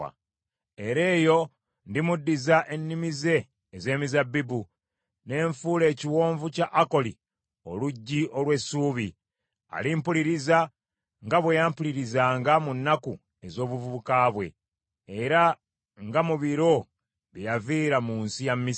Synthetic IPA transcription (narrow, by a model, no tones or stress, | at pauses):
a̰ | eɾe̞ːjo̞ | ndimudːizaʔe̞nːimize̞ː | ze̞ːmizabːibu | ne̞ːɱfuːle̞ːciwo̞ːɱvucaʔːko̞li | o̞̰luɟːiʔo̞lwe̞suːβi | a̰limpuliɾiza | ŋɡaβwejampuliɾizaːŋɡamunːaku | e̞zo̞ːβuvuβukaβwe̞̰ː | ɾa | ŋɡamuβiɾo̞ | βijaviːɾamuːnsijammːi